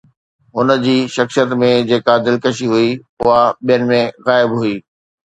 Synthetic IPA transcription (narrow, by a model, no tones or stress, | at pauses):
ɦʊnəd͡ʑiːʃɐxsijət̪mẽd͡ʑeːkad̪ɪlkəʃiɦui | ʊɦaɓijənɪ̆mẽɣaːɪbɦʊiː